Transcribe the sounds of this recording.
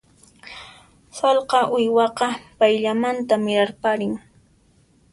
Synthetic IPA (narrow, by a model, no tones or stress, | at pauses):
sɑlqɑʔʊjwɑqɑpajʎamant̪amɪɾaɾpaɾɪŋ